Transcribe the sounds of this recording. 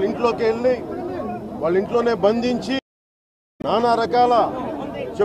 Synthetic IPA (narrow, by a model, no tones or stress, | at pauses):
iɳʈlo̞ːkeɭːi | ʋaːɭːiɳʈloːne̞ːbɐnd̪ʱiɲt͡ʃi | naːnaːɾɐkaːlɐ | t͡ʃe